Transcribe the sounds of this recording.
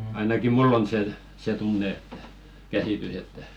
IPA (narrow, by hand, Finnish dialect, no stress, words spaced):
ɑinɑkim̆ mulː on se se tunːe e̥tːæ̥ kæsiˑtys etːæ